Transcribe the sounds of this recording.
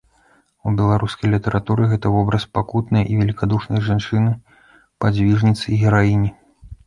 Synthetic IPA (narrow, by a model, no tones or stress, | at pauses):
ubʲɛlˠaɾuskɐjlʲit̪ɐɾʔat̪uɾɨɣɛt̪ɐvɔbɾɐspakut̪nɨjʔivʲɛlʲikad̪uʂnɐjʐant͡ʂɨnɨ | pad͡zʲvʲiʐnʲit̪sɨɣʲɛɾaimʲi